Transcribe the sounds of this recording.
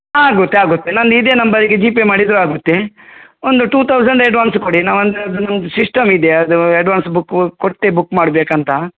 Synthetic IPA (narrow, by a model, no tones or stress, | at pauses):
aːɡut̪ːeaːɡut̪ːenɐnd̪id̪enɐmbɐd̪iɡed͡ʒiːpemaːɽid̪ɾuaːɡut̪ːeond̪uʈuːt̪ʰɐwsɐɳɖeɖʋaːnskoɽinaːʋɐnd̪d̪nɐmsisʈɐmid̪eɐd̪uɐɖʋaːnsbukːkoʈt̪ebukːmaːɽbeːkɐnt̪ɐ